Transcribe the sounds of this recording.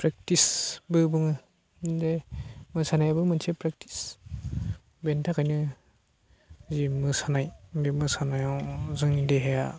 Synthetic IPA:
pɾek̚tisbɯbɯŋɯ | demɯsanajabɯmɯnsʰepɾak̚tʰi̥s | bentʰakʰajnɯ | zimɯsanajbimɯsanajazɯŋideɦeja

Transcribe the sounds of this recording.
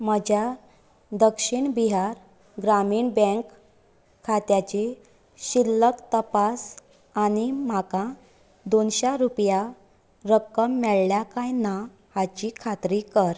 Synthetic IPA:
məd͡ʑʱja | d̪əkʂiɳbiɦaɾ | ɡɾamiːɳbɛ̃ŋkʰː | at̪jat͡ɕe | ɕilːəkt̪əpas | aɽ̃im̤akã | d̪onɕaɾupja | ɾəkːəmːɛɭljakãjna | hat͡ɕikʰat̪ɾikəɾ

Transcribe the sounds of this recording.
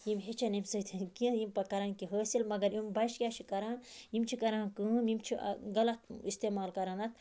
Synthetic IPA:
jimɦet͡ʃʰɐnɐmsɐt̪ʰinkĩjimpɐkɐɾaːnkiɦəːsilmɐɡɐɾimbɐjʃkʲjaːʃʰikɐɾaːnjimt͡ʃʰikɐɾãːnkɨmimt͡ʃʰḭɡɐlɐt̪̚ist̪eːmaːlkɐɾanɐt̪

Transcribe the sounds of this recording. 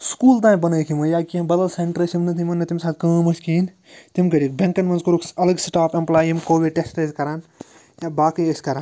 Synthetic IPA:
skuːlt̪ãːnbɐnɐːjkʰimɐjaːkiɐmbɐd̪ɐlseɳʈɾɐsimnɨt̪ʰimɐnːɐt̪imsaːt̪̚ʰʲkɐːmɐskiːn | t̪imɡɐɽikbeŋkɐnmɐnzkuɾukɐlɐɡsʈaːpɐmplaːjimkoːʋiɖʈesʈɐzʲkɐɾaːn | jaːbaːkɨjesʲkɐɾaːn

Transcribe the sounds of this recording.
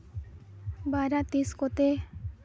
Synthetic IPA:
baɾat̪iskot̪e

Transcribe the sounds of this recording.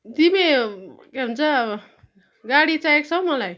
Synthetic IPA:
t̪imekeɦunt͡sʰa | ɡaɽit͡saek̚sʰʌw̃mʌlaj

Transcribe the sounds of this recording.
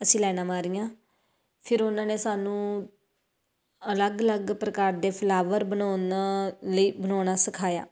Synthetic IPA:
əsĩːlɛːnaːmaːɾijãː | pʰɪɾʊnãːneːsaːnũː | ələɡələɡpɾəkaːɾd̪eːpʰəlaːʋəɾbənaːnaləiːbənaːnaːsəkʰaːja̰ː

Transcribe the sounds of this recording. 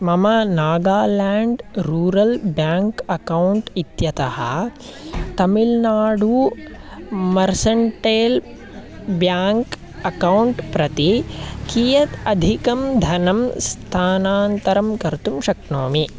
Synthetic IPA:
mɐmɐnaːɡaːlaːɳɖɾuːɾɐlbjaːŋkɐkɐwɳʈit̪jɐt̪ɐhɐ̰ | t̪ɐmilnaːɽu | mɐɾsɐɳʈeːl | bjaːŋk | ɐkɐwuɳʈpɾɐt̪ikijɐt̪ɐd̪ʱikɐmd̪ʱɐnɐmst̪ʰaːnaːnt̪ɐɾɐmkɐɾt̪umʃɐknoːmi

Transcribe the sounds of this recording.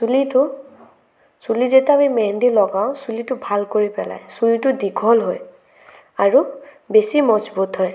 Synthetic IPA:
litʊ | sulizetabimɛndilɔɡaʊ̃sulitʊbʱalkoɹipɛla̰jsulitʊdiɡʱɔlɦoj | aɹu | besimɔzbot̪ɦɔj

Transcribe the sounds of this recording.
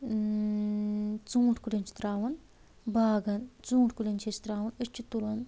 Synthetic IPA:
t͡suːʈkulʲent͡ʃʰi̥t̪ɾaːʋɐn | baːɡɐnt͡suːʈkulʲɐnt͡ʃʰet͡ʃi̥t̪ɾaːʋɐnət͡ʃʰːut̪ulɐn

